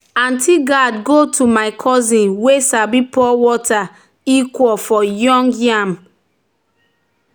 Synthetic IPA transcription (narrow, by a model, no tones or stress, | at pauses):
ãntʰiɡadɡotʰumaɪkʰɔzĩnwesabipɔwɔta | ikwɔlfɔjɔ̃ŋɡjãm